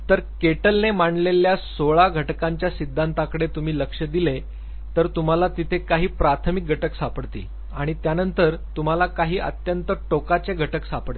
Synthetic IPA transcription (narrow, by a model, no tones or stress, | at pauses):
t̪əɾkeʈəlnemaɳleljasoɭaɡʱəʈkaɲt͡ɕjasid̪ʱːant̪akəɽet̪um̤iːləkʂəd̪ile | t̪əɾt̪um̤alat̪it̪ʰekaɦiːpɾat̪ʰəmik̚ɡʱəʈəksapəɽt̪ḭː | aɽ̃it̪janənt̪əɾt̪um̤alakaɦiːʔə̰t̪jənt̪əʈokat͡seɡʱəʈəksapəɽe